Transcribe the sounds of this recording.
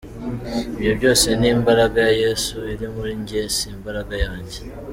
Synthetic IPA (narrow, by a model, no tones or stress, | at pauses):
iβjo̞βjo̞ːse̞niːmbaɾaɡajaje̞suiɾimuɾiɲɟesiːmbaɾaɡajaːɲɟe̞